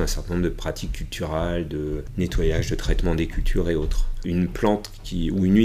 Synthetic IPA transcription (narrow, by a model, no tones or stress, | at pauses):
ɛ̃sɛʁt̪ɛ̃nɔ̃bʁd̪əpχat̪ʰikʰʲːylt̪ʰyʁɛld̪ənet̪wajaʒd̪ət̪χɛt̪mɑ̃d̪ekʲylt̪ʰyʁeot̪χynplɑ̃t̪ | kʲiuynɥi